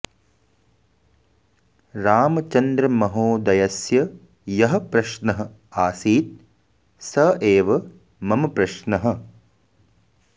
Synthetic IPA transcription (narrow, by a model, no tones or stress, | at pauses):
ɾaːmɐt͡ʃɐnd̪ɾɐmɐɦoːd̪ɐjɐsjɐ | jɐɦɐ̆pɾɐʃnɐɦɐ̆ | aːsiːt̪̚ | sɐeːʋɐ | mɐmɐpɾɐʃnɐɦɐ̆